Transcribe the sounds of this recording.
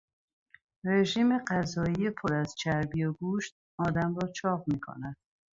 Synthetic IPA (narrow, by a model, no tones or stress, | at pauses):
ɾeʒiːme̞ɢæzɒːijepʰoɾæzt͡ʃʰæɾbijoɡuːʃt̪̚ | ɒːd̪æmɾɒːt͡ʃʰɒːʁmiːkʰo̰næd̪̥